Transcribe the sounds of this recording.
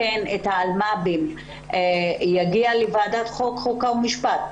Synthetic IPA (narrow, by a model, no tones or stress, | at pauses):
enethaːlmabim | jaɡialevadat̪χokχokaumiʃpat̪̚